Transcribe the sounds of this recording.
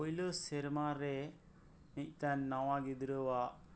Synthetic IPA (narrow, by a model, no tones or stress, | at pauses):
ojləsɛɾmaɾɛ | nic̚ˀt̪anːawaɡid̪ɾəwaʔ